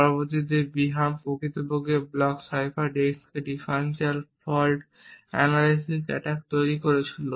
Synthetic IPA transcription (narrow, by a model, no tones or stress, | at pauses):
pɔɾobot̪id̪eɾbiɦampokit̪obʱoɡeblɔksajbaɾɖeskeɖifaɾensialfɔlʈ | ɛ̰nalisisɛ̰ʈak̚t̪ojɾikoɾet͡ɕʰilo